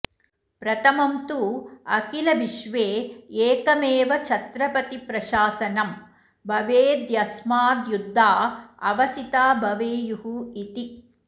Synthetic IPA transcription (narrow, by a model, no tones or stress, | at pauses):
pɾɐt̪ɐmɐmt̪uɐkilɐʋiʃʋeːeːkɐmeːʋɐt͡ʃʰɐt̪ɾɐpɐt̪ipɾɐʃaːsɐnɐm | bʱɐʋeːd̪jɐsmaːd̪jud̪ʱːaːɐ̰ʋɐsit̪aːbʱɐʋeːjuɦuit̪i